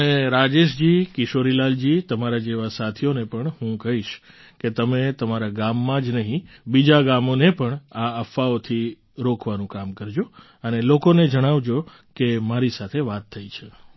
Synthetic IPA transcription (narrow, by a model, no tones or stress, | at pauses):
əneɾad͡ʒeʃd͡ʒikɪʃoɾilald͡ʒit̪əmaɾad͡ʒeʋasat̪ʰijonepəɳhũkəɦiʃ | ket̪əmet̪əmaɾaɡamːãd͡ʒnəɦĩ | bid͡ʒaɡamonepəɳaəfaot̪ʰi | ɾokʰʋanũkamkəɾd͡ʒo | ənelokoned͡ʒəɽ̃aʋd͡ʒo | kemaɾisat̪ʰeʋat̪ʰːəit͡ʃʰe